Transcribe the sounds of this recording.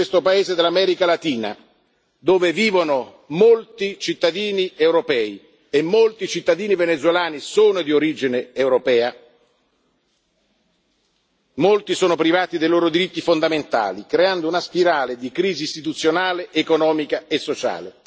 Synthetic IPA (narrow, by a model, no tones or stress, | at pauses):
est̪opaeːzed̪elːamɛːɾikalat̪iːna̰ | d̪oːveviːvono | molt̪it͡ʃit̪ːad̪iːniewɾopɛːi | emːolt̪it͡ʃit̪ːad̪iːnivenet̪zwelaːnisoːnod̪ioɾiːd͡ʒineːwɾopɛːa | molt̪isoːnopɾivaːt̪id̪ejloːɾod̪iɾit̪ːifond̪ament̪a̰ːlikɾeand̪ounaspiɾaːled̪ikɾiːziːst̪it̪ut̪sːjonaːleʔːkonɔːmikaesːot͡ʃa̰ːle